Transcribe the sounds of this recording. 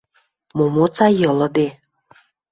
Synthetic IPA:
momot͡sajɤ̆lɤ̆d̪e

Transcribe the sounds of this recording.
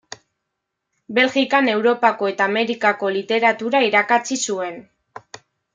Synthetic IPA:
be̞lɣikane̞wɾo̞pako̞e̞t̪aːme̞ɾikako̞lit̪e̞ɾat̪uɾaiɾakat͡sisue̞n

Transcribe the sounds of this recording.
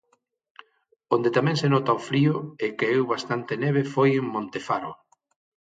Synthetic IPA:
ond̪et̪amɛ̃ŋsenɔt̪aofɾiʊekeewβast̪ant̪enɛβ̞efojeŋmõnt̪efaɾo

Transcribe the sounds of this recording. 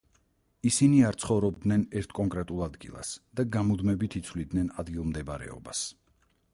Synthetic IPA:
isiniaɾt̪sʰχɔvɾɔbd̪nɛnɛɾt̪ʰkʼɔŋkʼɾɛt̪ʼulˠad̪ɡḭlˠa̰sd̪̥aɡamud̪mɛbit̪ʰit̪sʰvlid̪nɛnad̪ɡilˠmd̪ɛbɾɛ̰ɔ̰bas

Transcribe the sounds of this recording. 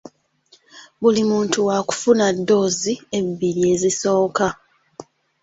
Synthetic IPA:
βulimuːntuwaku̥funadːo̞ːzie̞biɾie̞ːziso̞ːka

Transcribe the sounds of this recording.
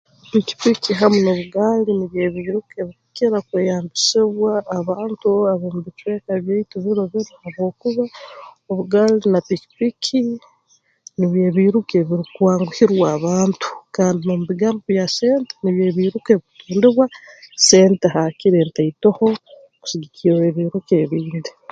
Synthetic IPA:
piki̥pikiɦamunoβuɡaliniβjeːβiːɾukeβikukiɾakweːjaːmbisiβwaːβaːntuaβomuβit͡ʃwe̞ːkaβjeituβiɾoβiɾohaβwo̞ːkuβaoβuɡaːlinapiki̥pikʰi | niβje̞ːβiːɾukeβiɾikuwaːŋɡuhiɾwaːβaːntʰu̥kaːndinomuβiɡaːmboβjaseːnte̥niβjeːβiːɾukeβituːndiβwase̞ːnteɦakiɾeːntaitoho̞ | ku̥siɡikʰiweβiːɾukeβiːndi

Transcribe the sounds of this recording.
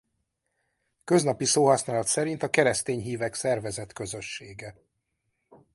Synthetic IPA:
kø̞znɒpisoːɦɒsnaːlɒt̪sɛɾint̪ɒkɛɾɛst̪eːɲɦiːvɛksɛrvɛzɛt̪kø̞zø̞ʃːeːɡɛ

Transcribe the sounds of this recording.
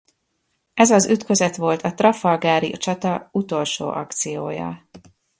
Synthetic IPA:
ɛzɒzyt̪kø̞zɛt̪ʋo̞lt̪ʰɒt̪rɒfɒlɡaːɾit͡ʃɒt̪ɒut̪o̞lʃo̰ːʔɒkt̪sijoːjɒ̰

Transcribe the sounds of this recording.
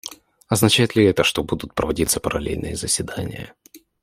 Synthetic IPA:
ɐznɐt͡ɕæjɪt̪lʲɪɛt̪əʂt̪o̞bud̪ʊt̪̚pɾəvɐdʲit̪sːəpəɾɐlʲḛlʲnɨ̰jəzəsʲvʲɪd̪anʲɪ̰jə̰

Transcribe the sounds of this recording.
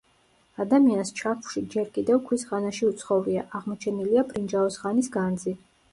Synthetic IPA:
ad̪amianst͡ʃʰaχʃid͡ʒɛɾkʼid̪ɛvkʰwisʁanaʃiut̪sʰχɔvɾiaʔaʁmɔt͡ʃʰɛniliapʰɾind͡ʒaɔsʁanisɡand̪zi

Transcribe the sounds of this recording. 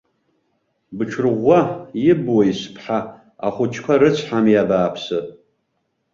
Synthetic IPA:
bɨʈ͡ʂʰrʁʷːajɪbwajispʰħa | aχʷʊt͡ʃʰkʷʰaɾɨt͡sʷʰħamjabaːpʰsɨ

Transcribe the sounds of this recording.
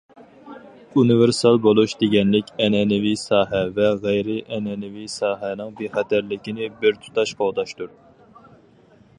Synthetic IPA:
unɨveɾsɑlˠbolˠuʃd̪eɡʲɛnlɪkʲɛnɛnɪvisɑːɦɛvɛʁæjɾɪʔɛnɛnɪvisɑːɦɛnɨŋbeχɛt̪ʰæɾlɪkʲinɪbɪɾt̪ʰu̥t̪ʰɑʃqʰowd̪ɑʃt̪uɾ

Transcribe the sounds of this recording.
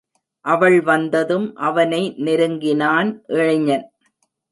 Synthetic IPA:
ʔɐʋɐɭʋɐnd̪ɐðɯmʔɐʋɐnɐɪnɪɾɯŋɡɪnaːnʔɛɻɐɲːɐn

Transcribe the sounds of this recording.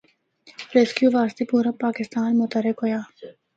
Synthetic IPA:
ɾeskjuvaːst̪ipuɾəpakist̪aːnmot̪ɐɾekoja

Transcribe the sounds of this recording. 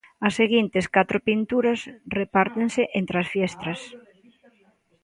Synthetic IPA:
ɐsːeɣint̪eskat̪ɾʊpint̪uɾɐsrepaɾt̪eŋseʔent̪ɾɐsfjɛst̪ɾɐs

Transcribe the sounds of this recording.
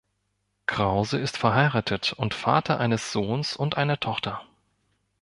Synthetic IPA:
kʁ̥aʊzəɪstfɛɐɦaɪʁaːtʰətʊntfa̰ːtʰɐʔaɪnəsz̥oːnsʊntʔaɪnɐtʰɔχtɐ

